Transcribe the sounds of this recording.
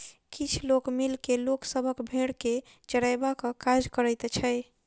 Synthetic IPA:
kit͡ʃʰlokmilkeloksəbʱəkbʱeɽke | t͡ʃəɽajbakəkad͡ʒkəɾəjt̪t͡ʃʰəj

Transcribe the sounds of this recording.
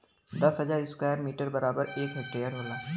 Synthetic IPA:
d̪ɐsɦəd͡ʒaːɾɪskaːjəɾmiːʈəɾbəɾaːbəɾeːkɦɛk̚ʈeːjəɾɦʊlaː

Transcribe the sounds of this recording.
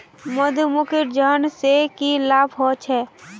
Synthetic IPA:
məd̪ʱmʊkʰɪɾd͡ʒənsekilaːbɦoːt͡ʃʰɛː

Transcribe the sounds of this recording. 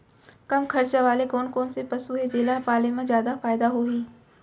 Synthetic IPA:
kɐmkʰɐɾt͡ʃaʋaːleɡoːnkoːnsepɐsuɦed͡ʒeːlapaːlemẽzjaːd̪afaːɪd̪aɦoɦiː

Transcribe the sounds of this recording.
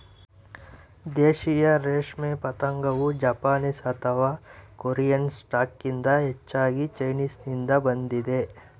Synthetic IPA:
d̪eːʃijaɾeːʃmẽpɐt̪əŋɡɐʋud͡ʒaːpaːnisɐt̪aʋakoːɾijənsʈaːkːɪ̃nd̪aetːʃʰaːɡit͡ʃɐɪniːsnɪ̃nd̪abɐnd̪id̪eː

